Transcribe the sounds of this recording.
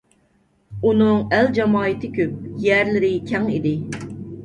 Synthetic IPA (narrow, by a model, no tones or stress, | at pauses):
unɨŋæld͡ʒɑmɑːɨt̪ʰɪkʲʰøp̚jæɾlɪɾɪkʲʰɛŋid̪ɪ